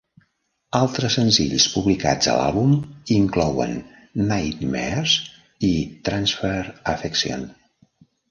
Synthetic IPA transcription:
alˠt̪ɾəsənzḭʎspuβlika̰d͡zə̰la̰lˠβumiŋklɔwə̰nː | ajt̪mɛɾz | it̪ɾansfeɾəfɛksio̰n

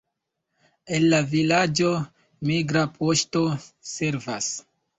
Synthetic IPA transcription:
e̞nːavilad͡ʒo̞ | miɡɾapʰoʃto̞se̞ɾvas

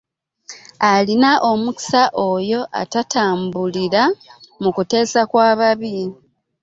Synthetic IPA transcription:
alinaʔo̞muki̥saʔo̞jo̞ʔa̰tataːmbuliɾamukute̞ːsakwaːβaβi

